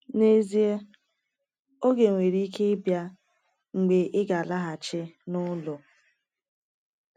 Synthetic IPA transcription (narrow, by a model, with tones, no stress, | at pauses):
ne˦zi˦e˦ | o˦ɡe˨ŋʷe˨ɾi˦i˦ke˦ɪ˦bja˦ | ŋ͡m̩˨ɡ͡be˨ʔɪ˦ɡa˨la˦ɦa˨t͡ʃɪ˦nʊ˦lʊ˨